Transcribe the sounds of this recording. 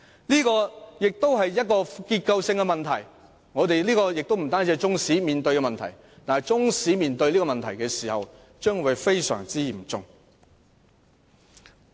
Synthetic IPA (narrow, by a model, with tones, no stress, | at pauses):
liː˥kɔː˧jɪ˨k̚t̪o˥wɦɐ˨jːɐ˥t̚kɔː˧kiː˧t̚kɐ˧wsɪ˧ŋkɛ˧mɐ˨nt̪ʰɐ˨˩j | ŋɔː˨˧t̪e˨jliː˥kɔː˧jɪ˨k̚t̪wm̩˨˩t̪aː˥nt͡siː˧hjt͡sʊ˥ŋsiː˨˥miː˨nt̪ɵ˧ɥkɛ˧mɐ˨nt̪ʰɐ̰˨˩j | t̪aː˨nɐ˨jt͡sʊ˥ŋsiː˨˥miː˨nt̪ɵ˧ɥliː˥kɔ˧mɐ˨nt̪ʰɐ˨˩jkɛː˧siː˨˩hɐ̰˨w | t͡ʃœː˥ŋwu˨˧jfe˥jsœ̰ː˨˩ŋt͡siː˥jiː˨˩mt͡sʊ˨ŋ